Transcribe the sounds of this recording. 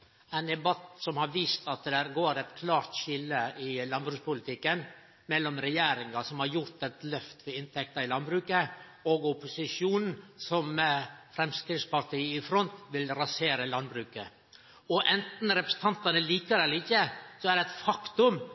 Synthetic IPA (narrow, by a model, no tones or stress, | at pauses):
æɪnd̪ɛbɑt̪sɔmhɑɾʋiːst̪ɑt̪d̪æɾɡoːɾɛt̪kʰlɑːɾt̪çɪlːəɪlɑnbɾʉːkspʊlɪt̪ʰɪkːən | mɛlːɔmɾɛjeːɾɪŋɑsɔmhɑɾjʊɾt̪ɛt̪lœft̪ʋɛɪnt̪ʰɛk̚t̪ɑɾɪlɑnbɾʉːkə | oːɡʊpʊsɪʂjuːnn̩sɔmfɾɛmskɾɪd̪spɑɾʈ̪ʰiːɪfɾɔnt̪ʋɪlɾɑseːɾəlɑnbɾʉːkə | ɔʔɛnt̪n̩ɾɛpɾəsn̩t̪ʰɑnt̪ɑnəliːkəɾɛlɪçːəsɔæɾɖɛæɪt̪fɑkt̪ʊm